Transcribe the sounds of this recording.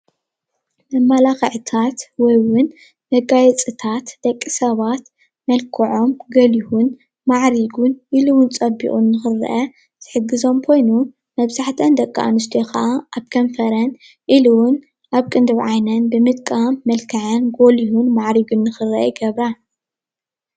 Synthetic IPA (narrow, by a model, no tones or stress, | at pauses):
mɐmːalaxɨʕt̪ʰat̪wɔjwʊn | mɐɡajɛt͡sʼɨt̪ʰat̪d̪̥ɐkʼːisɐβat̪ | mɐlkʰɐʕo̞mɡɐlihun | maʕɾiɡunʔiluwʊnt͡sʼɐbḭʔʼunːɨxɨr̰ʔɐ | zʰɨħɨɡːɨzo̞mkʰo̞jnu | mɐβzaħt̪ʰɐnd̪ɐkʼːa̰ʔa̰nɨs̬t̪ʰijoxʰɐʔaʔaβkʰɐnfɐɾɐn | ʔiluwʊn | ʔaβkʼɨnd̪ɨβʕajnɐnbɨmɨt̪kʼamːɐlkʰɐʕɐnɡo̞lihunmaʕɾiɡunːɨxɨrɐʔɐ̰jɡɐβɾa